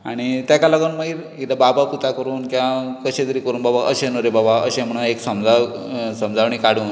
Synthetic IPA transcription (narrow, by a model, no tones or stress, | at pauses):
aɽ̃it̪jakalaɡənməiːɾ | ilababaput̪akəɾuːnkiwakəɕet̪əɾiːkəɾuːnbabaʔəɕenoɾebabaʔəɕẽm̤əɽ̃ueksəmd͡za | səmd͡zʱaʋɳ̃iːkaɽ̤uːn